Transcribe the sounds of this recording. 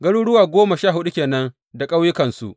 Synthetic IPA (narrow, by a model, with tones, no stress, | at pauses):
ɡɐ˦ɽuː˦ɽʊ˦waː˨ɡʷoː˦ma˨ʃaː˦˨ɦʊ˦ɗu˦kʲeː˨nɐ˦n | da˨kʼa˦wjɪ˦kɐ˨nsu˦ʔ